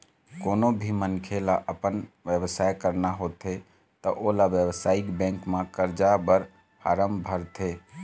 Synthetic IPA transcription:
konobʱimənkʰelaʔəpənʋjəbəsajkəɾnaɦot̪e | t̪ɔʔolaʋjəbəsaikbɛ̃ŋkmãkəɾd͡ʒabəɾ | pʰaɾəmbʱəɾt̪ʰe

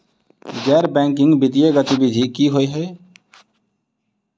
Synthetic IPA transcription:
ɡɛːɾbɛ̃ːŋk̬ɪŋɡbɪt̪ijeːɡət̪ibɪd̪ʱiːkiːɦoːeɦəe

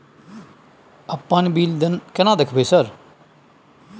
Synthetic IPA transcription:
əpːãːnbiːld̪nkənãːd̪əkʰbeːsəɾ

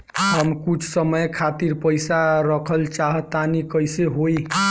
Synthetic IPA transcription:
həmkut͡ʃʰsəməjkʰat̪iɾpəɪsaɾəkʰəlt͡ʃaɦət̪anikəjseɦoj

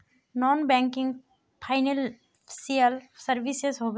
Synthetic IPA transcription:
nɔːnbɛ̃ŋkɪ̃ŋɡ | pʰaɪnel | siəlsəɾʋisezɦoːb

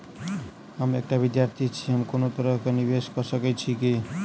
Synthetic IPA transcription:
ɦəmek̚ʈabid̪jaɾt̪ʰit͡ʃʰiɦəmkonot̪əɾəɦkeniβeskɔsəkɛt͡ʃʰiki

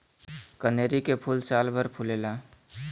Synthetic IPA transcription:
kəneːɾikepʰuːlsaːlbʱəɾpʰʊleːlaː

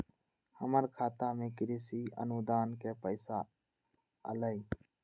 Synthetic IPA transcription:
həməɾkʰaːt̪aːmẽːkɪɾiːsiːə̰nud̪aːnkeːpəɪsaː | ə̰ləi

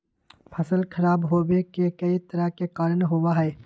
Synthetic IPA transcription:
pʰɐsəlkʰɐɾaːbɦoːbekekɐit̪əɾəkekaːɾənɦoːʋaɦɛː

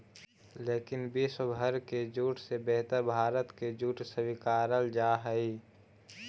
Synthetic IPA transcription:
leːkɪnbisbʱəɾked͡ʒuːʈʰsebɛɦt̪əɾbʱaːɾət̪ked͡ʒuːʈʰsəwikaːɾəld͡ʒaːɦəi

